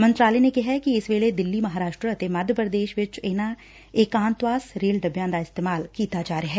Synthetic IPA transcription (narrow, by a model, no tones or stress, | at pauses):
mə̃nt̪ɾaːlenekɪɦɛkiɪsʋeːled̪ɪlːimɐɦaːɾaːʃʈɾəɐt̪emɐd̪ʱjəpɾəd̪eːʃʋɪt͡ʃɪna | eːkãːnt̪ʋaːsɾeːlɖəbjãːd̪aɪst̪eːmaːlkiːt̪ad͡ʒaːɾeɦɛː